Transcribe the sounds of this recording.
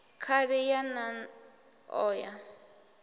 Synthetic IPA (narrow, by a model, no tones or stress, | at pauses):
kʰaɾɪjanan | ɔːja